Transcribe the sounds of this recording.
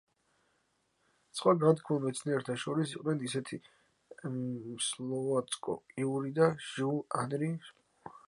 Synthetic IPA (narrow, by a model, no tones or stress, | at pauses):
sχwaɡant̪kʰmulˠmɛt̪sʰniɛɾt̪ʰaʃɔɾisiqʼnɛnisɛt̪ʰi | slˠɔvat̪sʼkʼɔ̰iuɾid̪aʒuanɾi